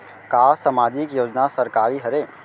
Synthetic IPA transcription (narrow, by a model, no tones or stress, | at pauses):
kaːsamaːd͡ʒɪkjoːd͡ʒnasəɾkaːɾiɦəɾeː